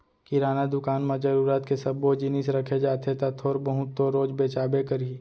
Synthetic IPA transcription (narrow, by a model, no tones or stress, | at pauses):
kiɾaːnad̪ʊkaːnmãd͡ʒɐɾuːɾat̪kesɐbod͡ʒɪnisɾɐkʰed͡ʒaːt̪ʰet̪at̪ʰoːɾbəɦʊt̪ːoɾoːd͡ʒbeːt͡ʃaːbekɐɾi